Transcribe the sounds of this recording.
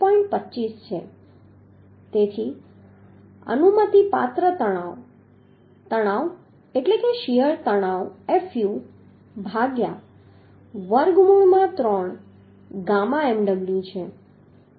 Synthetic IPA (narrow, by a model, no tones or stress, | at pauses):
pɔ̃ĩɳʈ̚pətːt͡ʃist͡ʃʰe | t̪et̪ʰi | ə̰numət̪ipa̰t̪ɾət̪əa | t̪əɽ̃aʋ | eʈlekeʃijəɾt̪əɽ̃aʋefju | bʱaɡja | ʋəɾɡmuɭmãt̪ɾɔɳ | ɡãmãemɖəɡɭjũt͡ʃʰe